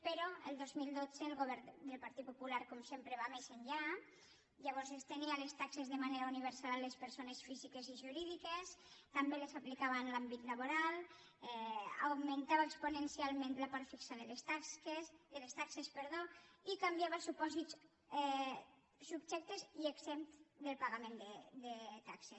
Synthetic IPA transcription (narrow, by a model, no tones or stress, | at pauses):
peɾɔelˠd̪ozmilˠd̪od͡z̥eːlˠɣoβɛɾd̪elpaɾt̪it̪̚populaɾkɔmsempɾeβamezeɲʎa | ʎaβ̞ɔɾzest̪enialest̪aksezðemaneɾauniβ̞eɾsalalespeɾsonesfizikeziʒuɾiðikest̪ambelesfaplikaβanlambit̪laβ̞oɾal | ɛa̰wmẽnt̪aβeksponensialˠmẽnt̪lapaɾt̪fiksaðelest̪aed̪elest̪aksespeɾð̞oikambjaβasupɔzit̪s | ɛ | subʒɛk̚t̪ezieɡzemt̪d̪elˠpaɣamẽnd̪ed̪et̪akses